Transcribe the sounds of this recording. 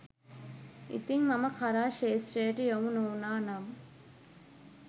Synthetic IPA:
ḭt̪iŋmɐmɐkʰɐɾaːʃeːsɾeːʈijomunuːnaːnɐm

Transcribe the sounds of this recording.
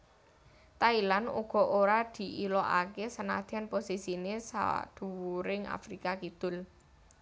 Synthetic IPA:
t̪ailanṵɡ̥ɔ̤ʔoɾad̪̥i̤ʔilɔʔa̰kesəna̰d̪̥anposisinesa̰a̰d̪̥ṳwuɾɪŋa̰fɾikakid̪̥ʊ̤l

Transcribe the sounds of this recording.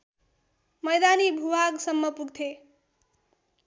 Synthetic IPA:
mʌjd̪anibʱubʱaɡsʌmːʌpuɡt̪ʰe

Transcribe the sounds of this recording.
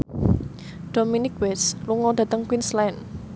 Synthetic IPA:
d̥ominɪk̚wɛsluŋɔda̤t̪əŋkwinslɛn

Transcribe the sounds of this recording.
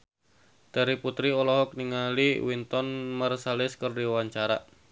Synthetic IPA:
d̥aɾiput̪ɾiɔlɔɦɔk̚niŋaliwint̪ɔnmərsalɪskərdiwaɲt͡ʃaɾa̰

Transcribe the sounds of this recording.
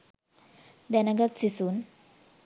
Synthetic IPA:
d̪ɛnaɡat̪sisun

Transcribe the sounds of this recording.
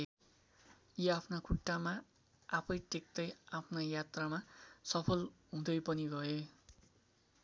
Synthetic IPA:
jeapʰnakʰuʈːama | apʰʌjʈek̚t̪ʌjapʰnajat̪ramasʌpʰʌlɦũd̪ʌjpʌniɡʌe

